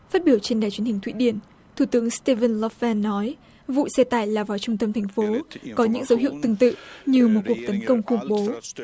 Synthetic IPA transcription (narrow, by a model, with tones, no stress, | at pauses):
faː˦˥t̚ɓi˧˩əwt͡ɕe˧nɗaː˨˩jt͡ɕwi˨˦əhï˨˩ŋ̟t̪ʰwḭ˧˥˨ɗi˧˩ən | t̪ʰu˧˩t̪ɨ˨˦əŋst̪e˧və˧nlɔ˧fɛ˧nːɔ˨˦j | vṵ˧˨sɛ˧t̪aː˧˩jlaː˨˩vaː˨˩wt͡ɕʊ˧ŋ͡mt̪ə˧mt̪ʰɛ˨˩ŋ̟fo˨˦kɔ˨˦ɲɨ̰˧˥ŋzə˨˦wɦḭ˧˨əwt̪ɨ˨˧˩ŋt̪ɨ̰˧˨ɲɨ˧mo˨˩t̚ku˨˩ək̚t̪ə˨˦nkə˧wŋ͡mxʊ˧˩ŋ͡mɓo˨˦